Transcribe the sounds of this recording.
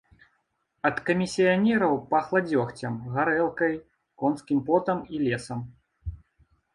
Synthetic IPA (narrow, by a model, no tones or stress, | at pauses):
ɐt̪kɐmʲisʲijanʲɛɾɐwpɐxlˠad͡zʲɔxt͡sʲɐmɣaɾɛlˠkɐj | kɔnskʲimpɔt̪ɐmilʲɛsɐm